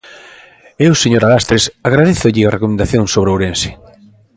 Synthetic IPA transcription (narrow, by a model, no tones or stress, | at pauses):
ewseɲoɾalast̪ɾesaɣ̞ɾaðeθʊʎɪarekomẽnd̪aθjoŋsoβɾowɾensɪ̥